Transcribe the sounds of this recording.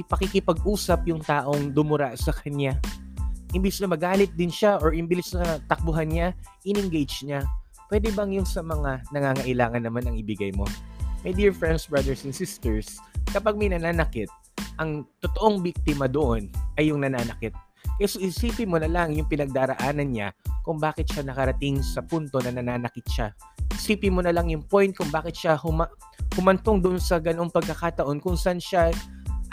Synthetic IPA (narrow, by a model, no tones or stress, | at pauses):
ʔɪpɐkikɪpɐɡ̚ʔuːsɐp̚jʊŋt̪aːʔo̞ŋd̪ʊmʊɾaʔsɐkʰɐɲa | hɪmbisnɐmɐɡaːlɪt̪̚d̪ɪnʃaʔoɹʔɪmbɪlɪsnɐt̪ɐk̚bʊɦanɲaʔɪnɪŋɡejd͡ʒɲa | pwɛːd̪ɛbɐŋjʊnsɐmɐŋanɐŋaːŋɐʔɪlaːŋɐnːɐmanɐŋɪbɪɡajmo̞mɐjd̪iːɹfɹɛnd̪sbɹɐd̪ɛɹsɛnsɪst̪ɛɹskɐpaɡ̚mɐjnɐnaːnɐkɪt̪̚ | ʔɐŋt̪ot̪o̞ʔoŋbik̚t̪ɪmɐd̪oʔonʔɐjːʊŋnɐnaːnɐkɪt̪̚ | kɛsoʔɪsiːpɪmonɐlaŋjʊŋpɪnɐɡ̚d̪aːɾɐʔaːnɐnɲakʊŋbaːkɪt̪ʃanɐkɐɾɐt̪ɪŋsɐpunt̪o̞nɐnɐnaːnɐkɪt̪̚ʃa | ʔɪsiːpɪmonɐlɐŋjʊŋpo̞jnt̪̚kʊŋbaːkɪt̪̚ʃahʊma | hʊmɐnt̪oŋd̪oʊʔonsɐɡɐno̞ŋpɐɡ̚kɐkat̪ɐʔo̞nkʊŋsɐʔanʃa